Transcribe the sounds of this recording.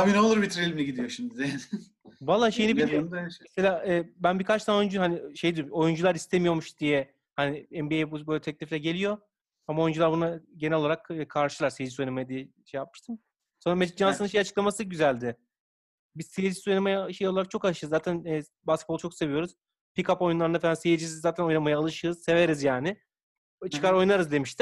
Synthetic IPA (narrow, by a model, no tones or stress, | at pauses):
abineolˠuɾbit̪ʰɾelʲmiiɟid̪ijo̞ʃimd̪id̪ejan | valˠːaːʃe̞jinɛbiijomeselʲaːʔɛːbænbikʰat͡ʃt̪ʰano̞jund͡ʒuhaniʃejd̪iɾmojund͡ʒulˠaɾist̪ʰemijo̞ɾmuʃd̪̥ijɛ | haniɛmbiejbubøjlʲɛt̪ʰɛc̚lʲiflʲɛɟe̞lʲijo̞ | amaojund͡ʒulˠaɾbunaɟe̞nɛlʲo̞lˠaɾakːkʰaɾʃɯlˠaɾseed͡ʒisojanamajad̪ijɛʃejap̚mɯ̥ʃt̪ʰɯm | so̞nɾamed͡ʒʒansɯɯnʃejat͡ʃɯklˠamasɯɟyzælʲd̪ɪ | biz̥sejid͡ʒisojnamajaʃejoaɾak̚t͡ʃʰo̞kalˠɯʃɯːzːaːt̪ʰænɛː | baskʲet̪̚bot͡ʃʰo̞kse̞vijo̞ɾuz̥ | pikapo̞junlˠaɾɯnafeansejid͡ʒisizaːt̪ʰæno̞jnamajaalˠɯʃɯːz̥se̞ve̞ɾizjaːnɪ | t͡ʃʰɯ̥kʰaɾo̞jnaɾɯzd̪e̞miʃt̪ʰɪm